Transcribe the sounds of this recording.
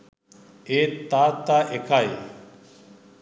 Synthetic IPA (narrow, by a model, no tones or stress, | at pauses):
eːt̪aːt̪aːʔekʰaːj